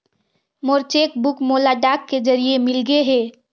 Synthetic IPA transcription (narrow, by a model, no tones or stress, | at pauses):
moɾt͡ʃeːkbʊkmoːlaɖaːkːed͡ʒɐɾiemɪlɡeɦɛː